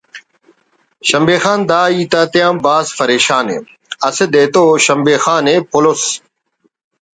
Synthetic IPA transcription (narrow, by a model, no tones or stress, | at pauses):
ʃɐmbeːxaːnd̪aːiːt̪at̪ɪjãːmbaːspɐɾeːʃaːnḛː | ɐsed̪eːt̪oːɕɐmbeːxaːneːpʊlos